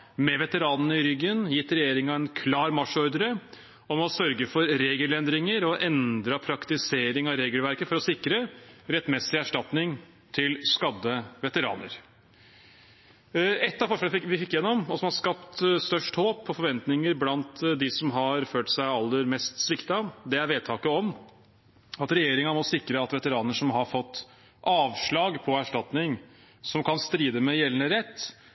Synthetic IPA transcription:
mɛʋɛt̪əɾɑːnənəɪɾʏɡːənjɪt̪ːɾɛjeːɾɪŋɑɛnkʰlɑːɾmɑʂɔɾd̪əɾə | ɔmɔsœɾɡəfɔɾɾeːɡəlɛnd̪ɾɪŋəɾɔʔɛnd̪ɾəpʰɾɑkt̪ɪseːɾɪŋɑɾeːɡəlʋæɾkəfɔɾɔsɪkɾəɾɛt̪ːmɛsɪæʂʈɑt̪nɪŋ | t̪ʰɪlskɑd̪ːəʋɛt̪əɾɑ̰ːnə̰ɾ | ɛt̪ːɑfɔʂɛlʋɪfɪkːjɛnːɔmɔsɔmhɑʂkɑpt̪st̪œʂʈhoːpʰːɔfɔɾʋɛnt̪nɪŋəɾblɑnt̪d̪ɪsɔmɦɑɾføːʈsæɪɑlːəɾmɛst̪sʋɪkt̪ɑd̪ɛæɾʋeːd̪̚t̪ʰɑːkəɔm | ɑt̪ɾɛjeːɾɪŋənmɔsɪkɾəɑt̪ʋɛt̪əɾɑːnəʂɔmɦɑɾfɔt̪ː | ʔɑːʋʂɭɑːɡpʰɔæʂʈɑt̪nɪŋ | sɔmkʰɑnst̪ɾiːd̪əmɛjɛlːənəɾɛt̪ː

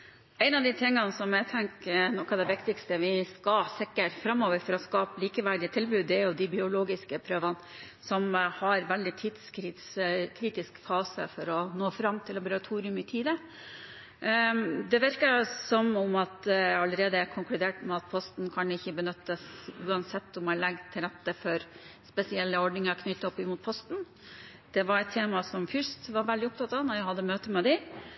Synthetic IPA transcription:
ɛɪnɑʋd̪ɪt̪ʰɪŋːənsɔmjæt̪ʰɛŋknɔkːɑʋd̪ɛʋɪkt̪ɪkst̪əʋɪskɑsɪkːəʈfɾɑmːoːʋəɾfɔɾɔskɑːpəliːkəʋæɾɖ̪ɪt̪ʰɪlbʉːd̪ɛjʊd̪ɪbɪʊloːɡɪskəpʰɾøːʋən | sɔmhɑɾʋɛld̪ɪt̪ʰiːd̪skɾɪt̪skʰɾiːt̪ɪskfɑːsə̰fɔɾɔnoːfɾɑmːt̪ʰɪlːɑbəɾɑt̪ʰuːɾɪʉmɪt̪ʰiːd̪ə | d̪ɛʋɪɾkəsɔmʊmɑt̪ɑlːəɾeːd̪əkʰʊŋklʉd̪eːʈmɛɑt̪̚pʰɔst̪n̩kʰɑnɪçːəbənʏt̪ːəsʉːɑnsɛt̪ːɔmælɛɡd̪̚t̪ʰːɪlɾɛt̪ːəfɔɾspɛsɪɛlːəɔɖnɪŋəɾkʰnʏt̪ːɔpːɪmuːt̪̚pʰɔst̪n̩ | d̪̥ɛʋɑɾɛt̪ʰːeːmɑsɔmfʏst̪ʋɑɾʋɛld̪ɪɔp̚t̪ʰɑt̪ːɑːʋnɔɾjæɪhɑd̪ːəmøːt̪əmɛd̪ɛ

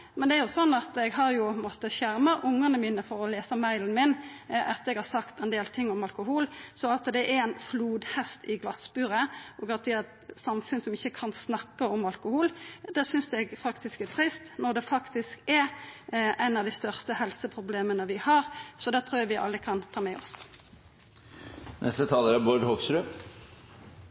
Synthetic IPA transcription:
mɛnd̪ɛæɾjʊsɔnːɑt̪ɛɡɦɑɾjʊpʰmoːt̪əçæʁməʔʊŋːənəmiːnəfɔɾɔleːsəmæɪlənmɪnʔɑt̪ɛɡhɑɾsɑkt̪ɛɪnd̪eːlt̪ʰɪŋːɔmɑlkʊhuːlsɔɑt̪d̪ɛʔæɛɪnfluːd̪hɛst̪ɪɡlɑsbʉːɾəɔɡɑnt̪ʰiɛt̪sɑmfʉnsɔmɪçːəkʰɑnsnɑkːəɔmɑlkʊhuːld̪ɛːsʏnsɛɡfɑkt̪ɪskɛt̪ʰɾɪst̪nɔʁd̪ɛfɑkt̪ɪskɛɾʔæɪnɑʋd̪ɪst̪œʁst̪əhɛlsəpʰʁʊbleːmənəʋɪhɑɾsɔd̪ɛːt̪ʰɾuːjɛʋɪʔɑ̰lːəkʰɑnt̪ʰɑːmɛɔ̰s | nʔɛ̰st̪ət̪ʰɑːləɾæboːɾɖhoɡsɾʉː

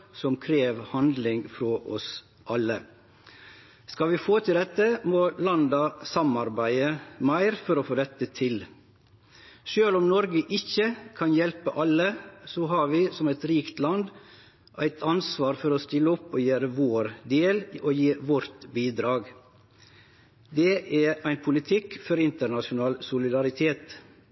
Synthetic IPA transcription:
sɔmkʰɾeːʋhɑnd̪lɪŋfɾɔʔɔs | ʔɑlːə | skɑʋɪfoːt̪ʰɪld̪ɛt̪ːəmoːlɑnd̪ɑsɑmɑɾbæɪəmæɪɾfɔɾɔfoːd̪ɛt̪ːət̪ʰɪl | ʃøːlɔmnɔɾɡəʔɪçəkʰɑnjɛlpəʔɑlːəsɔɦɑɾʋɪːsɔmæɪt̪ɾiːkt̪lɑnd̪ | ʔæɪt̪ʰɑnsʋɑːɾfɔɾɔst̪ɪlːəɔpːoːjøːɾəʋoːɾd̪eːloːjiːʋɔɾt̪biːd̪ɾɑːɡ | d̪ɛʔææɪnpʰʊlɪt̪ʰɪkfɔɾɪnt̪əɾɳɑʃʊnɑːlsʊlɪd̪ɑɾɪt̪ʰeːt̪

